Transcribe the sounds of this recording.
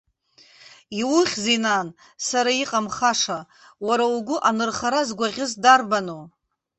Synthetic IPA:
iwʊχʲzinan | saɾaiqʼamχaʂa | waɾauɡʷʊʔanɨrχaɾazɡʷaʁʲɪzdarbano

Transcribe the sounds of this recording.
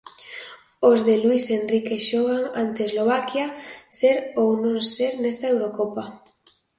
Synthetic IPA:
ozðelwisenrikeʃoɣaŋant̪eːzloβ̞akjaseɾownõŋseɾnest̪aewɾokopa

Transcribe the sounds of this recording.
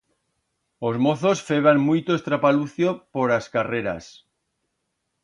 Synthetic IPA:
ozmoθosfeβ̞aŋmujt̪oest̪ɾapaluθjopoɾaskareɾa̰s

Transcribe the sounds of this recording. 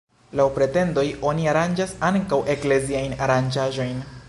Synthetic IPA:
lawpɾe̞te̞ndo̞jo̞niaɾand͡ʒasaŋkawʔe̞kle̞ziajnaɾand͡ʒaʒo̞jn

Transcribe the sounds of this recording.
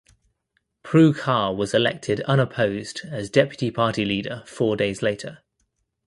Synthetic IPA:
pʰɹ̥ʉːkʰɑːwɒzɪlɛ̰k̚tʰɪdʌ̃nəpʰəʊzdəzdɛpjətipʰɑˑtiliːdəfɔːdeɪzleɪtʰə

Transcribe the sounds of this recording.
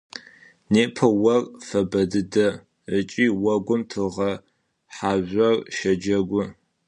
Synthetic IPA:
neːpʰɐwɐrfɐbɐdɨdɐ | ət͡ʃʼiːwɐɡʷʊmtʰɨʁɐ | ħaːʑʷɐrʃɐd͡ʒɐɡʷʊ

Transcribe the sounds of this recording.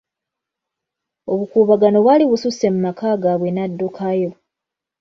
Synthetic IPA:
o̞βukuːβaɡano̞βwaliβususe̞mumakaːɡaβwenadːokʰajo̞

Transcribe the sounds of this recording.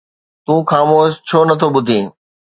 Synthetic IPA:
t̪ũːxaːmoːʃt͡ɕʰoːnɐt̪ʰoɓʊd̪ʱĩː

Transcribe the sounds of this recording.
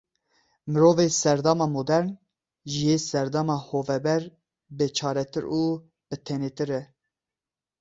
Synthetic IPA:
mɨɾoːvesɛɾd̪ɑːmɑːmod̪ɛɾn | ʒijeːsɛɾd̪ɑːmɑːhoːvɛbɛɾ | bɨt͡ʃʰɑːɾɛt̪ʰɨɾuː | b̥ɨt̪ʰɛneːt̪ɨɾɛ

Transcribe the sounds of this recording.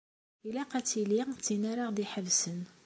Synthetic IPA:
ilæqɑt͡silit͡sːinaɾaʁd̪iħəvsən

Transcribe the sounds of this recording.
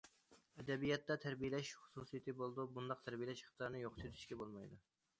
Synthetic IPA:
ɛd̪ɛbijɛt̪ːɑt̪ʰæɾbijelɛʃχʊ̥susijet̪ɨbolˠd̪ubund̪ɑq̚t̪ʰæɾbijelɛʃχə̥t̪ʰɑɾnɨjoqt̪ʰyt̪ʰy̥ʃkʲɛbolˠmɑ̰jd̪u

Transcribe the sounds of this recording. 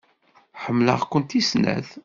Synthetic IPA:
ħəmːlə̰ʁkʷənt̪isnæ̰ð

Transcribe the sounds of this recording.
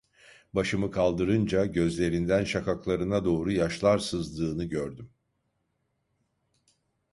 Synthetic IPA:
baʃɯmɯkʰalˠd̪ɯɾɯnd͡ʒaɟø̞zlʲe̞ɾind̪ænʃakʰaklˠaɾɯnad̪o̞ːɾujaʃlˠaɾsɯzd̪ɯːnɯɟøɾd̪ym

